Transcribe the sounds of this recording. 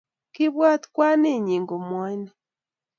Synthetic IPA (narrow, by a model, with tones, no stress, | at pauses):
ki˦βwa˦t̪kwa˦ne˦˨ɲi˨ŋɡo˨mwɛ˦nɛ˦